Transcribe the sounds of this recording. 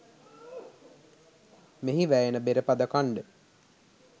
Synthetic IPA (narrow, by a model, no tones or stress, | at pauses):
meɦiʋæjenəbeɾəpad̪ɐkaɳɖə